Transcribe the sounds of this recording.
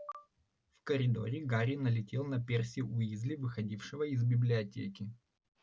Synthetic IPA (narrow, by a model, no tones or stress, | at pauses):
fkəɾʲɪd̪o̞̰ɾʲɪɡaɾʲɪnəlʲɪtʲe̞lˠnɐpʲersʲɪʊizʲlʲɪvɨxɐdʲifʂɨvəɪzbʲɪblʲɪɐtʲḛkʲɪ